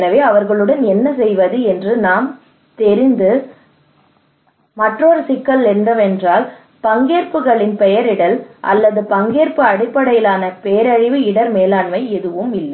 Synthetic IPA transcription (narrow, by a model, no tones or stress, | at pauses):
ɾɐʋeːɐʋɐɾɣɐɭɯɽɐnɛnːɐs̬ɛjʋɐðɯɛndrɯnaːm | t̪ɛɾɪnd̪ɯ | mɐʈroːɾsɪkːɐlɛndrɐʋɛndraːl | pɐŋɡeːɾpɯɣɐɭɪnpɛjɐɾɪɽɐlʔɐ̰lːɐðɯpɐŋɡeːɾpɯɐɽɪpːɐɽɐjɪlaːnɐpejɐɾɐɻɪʋɯɪɽɐɾmeːlaːɳmɐɪɛðɯʋɯmɪlːɐ